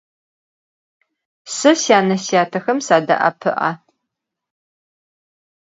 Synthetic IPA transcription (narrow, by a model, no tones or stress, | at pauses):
sɨsjaːnɐsjaːtʰɐxɐmsaːdɐ̰ʔɐ̰pʰɨ̰ʔa̰